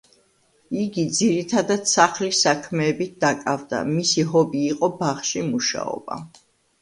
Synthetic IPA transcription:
iɡid̪ziɾit̪ʰad̪at̪saχlisakʰmɛːbit̪̚d̪akʼavd̪a̰misiɦɔbiːqʼɔbaχʃimuʃa̰ɔ̰ba̰

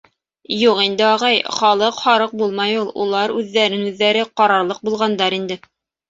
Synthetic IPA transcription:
juqind̪ɘɑʁɑjχɑlˠɤqhɑɾɤq̚bulˠmɑjulˠṵlˠɑɾʉðːæɾɘnʉðːæɾɘqɑɾɑɾlˠɤq̚bulˠʁɑnd̪ɑɾind̪ɘ

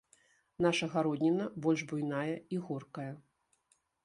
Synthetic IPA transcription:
naʂɐɣaɾɔd̪ʲnʲinɐbɔlʲʐbujnajɐiɣɔrkɐjɐ

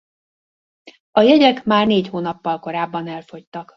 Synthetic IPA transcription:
ɒjɛɟɛkmaːrneːchoːnɒpːɒlko̞ɾaːbːɒnɛlfo̞ct̪ɒk

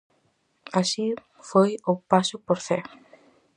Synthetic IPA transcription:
asi | fojopasʊpoɾθe

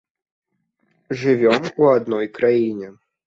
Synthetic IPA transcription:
ʐɨvʲɔmuad̪nɔjkɾajinʲɛ

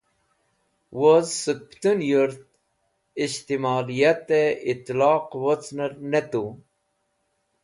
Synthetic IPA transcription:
wozsək̚pt̪unjuɾt̪̚ | iɕt̪imɑːlijat̪eit̪lɑːqwot͡snəɾnet̪u

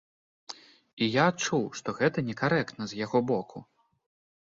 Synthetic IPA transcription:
ijaːt͡ʂuwʂt̪ɔɣɛt̪ɐnʲɛkaɾɛkt̪nɐzʲjaɣɔbɔkʰu

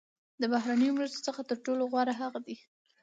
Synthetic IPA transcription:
d̪əbahɾanəjomɾast̪o̥t͡səxat̪əɾʈoloɣwɑɾaɦaɣad̪i

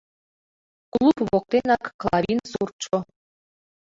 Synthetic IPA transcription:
klˠupβok̚t̪enɑkːlˠɑɾʲinsurt͡ʃo

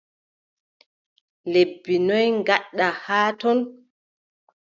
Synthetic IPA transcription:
lebːinɔjŋɡaɗːahaːtɔn

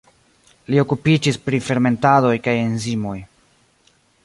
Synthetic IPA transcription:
lio̞kupid͡ʒispɾife̞ɾme̞ntado̞jkaje̞nzimo̞j

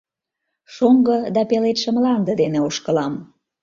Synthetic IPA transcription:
ʃoŋɡɤd̪ɑpelet̪ʃə̆mlɑnd̪ə̆d̪eneoʃkə̆lɑm

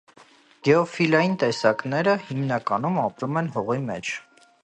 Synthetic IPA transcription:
ɡ̥ɛɔfilɑjint̪ɛsɑknɛɾəhimnɑkɑnumɑpɾumɛnɦɔʁimɛ̰t͡ʃʰ

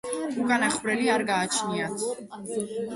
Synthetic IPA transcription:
ukʼanaχvɾɛliaɾɡaːt͡ʃʰniat̪ʰ

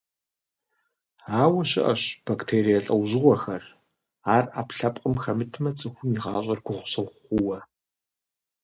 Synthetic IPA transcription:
aːwɐɕɪ̰ʔɐɕb̥aktʰeːɾijɐɬʼɐwʑɪʁʷɔxɐr | aːraːpɬɐpʼqʼəmxɐmɨtʰmɐt͡sʼɨxʷʊmiʁɑːɕʼɐrɡʷʊχʷʊ̥sɐwʷχʷʊwɐ

